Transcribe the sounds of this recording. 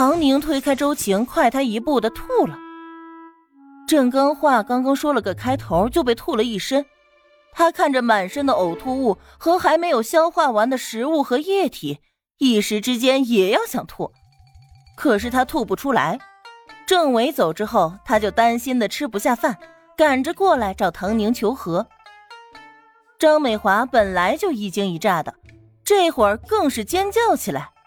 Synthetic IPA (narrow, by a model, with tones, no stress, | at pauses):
xɑ˧˥ŋni˧˥ŋt̪ʰwe˥ɪkʰa˥ɪʈ͡ʂo˥ʊt͡ɕʰi˧˥ŋkʰwa˥˩ɪt̪ʰa˥i˧˥pu˥˩d̪ə˩t̪ʰu˥˩lə˩ | ʈ͡ʂɤ˥˩ŋkɑ˥ŋxwa˥˩kɑ˥ŋkɑ˥ŋʂwɔ˥lə˨kə˨˩kʰa˥ɪt̪ʰo˧˥ʊt͡ɕjo˥˧ʊp̬e˥˧ɪt̪ʰu˥˩lə˩i˥˩ʂə˥n | t̪ʰa˥kʰa˥˩nʈ͡ʂə˩ma˨˩nʂə˥nd̪ə˨o˨˩ʊt̪ʰu˥˧u˥˩ | xɤ˧˥xa˧˥ɪme˧˥ɪjo˨˩ʊɕjɑ˥ʊxwa˥˩wa˧˥nd̪ə˨ʂɻ̩˧˥u˥˩xɤ˧˥jɛ˥˩t̪ʰi˨˩˦ | i˥˩ʂɻ̩˧˥ʈ͡ʂɻ̩˥t͡ɕjɛ˥njɛ˨˩jɑ˥˩ʊɕjɑ˨˩ŋt̪ʰwṵ˥˩ | kʰɤ˨˩ʂ̬ɻ̩˥˩t̪ʰa˥t̪ʰu˥˩pu˥˩ʈ͡ʂʰu˥la̰˧˥ɪʈ͡ʂɤ˥˩ŋwe˧˥ɪt͡so˨˩ʊʈ͡ʂɻ̩˥xo˥˩ʊt̪ʰa˥t͡ɕjo˥˩ʊt̪a˥nɕi˥nd̪ə˨ʈ͡ʂʰɻ̩˥pu˧˥ɕja˥˧fa˥˩n | ka˨˩nʈ͡ʂə˧kwɔ˥˩la˧˥ɪʈ͡ʂɑ˨˩ʊt̪ʰɑ˧˥ŋni˧˥ŋt͡ɕʰjo˧˥ʊxɤ˧˥ | ʈ͡ʂɑ˥ŋme˨˩ɪxwa˧˥pə˨˩nla˧˥ɪt͡ɕjo˥˧ʊi˨˩t͡ɕi˥ŋi˧˥ʈ͡ʂa˥˩d̪ə˩ | ʈ͡ʂɤ˥˩˧xwə˞˨˩kɤ˥˧ŋʂɻ̩˥˩t͡ɕjɛ˥nt͡ɕjɑ˥˩ʊt͡ɕʰi˨˩la̰˧˥ɪ